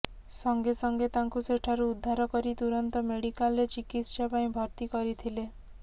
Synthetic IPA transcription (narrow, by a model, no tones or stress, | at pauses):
sɔŋɡesɔŋɡet̪aŋkuseʈʰaɾuːd̪ʱːaɾɔkɔɾit̪uɾɔnt̪ɔmeɽikalːet͡ʃikit̪ʃapaĩbʱɔɾt̪ikɔɾit̪ʰile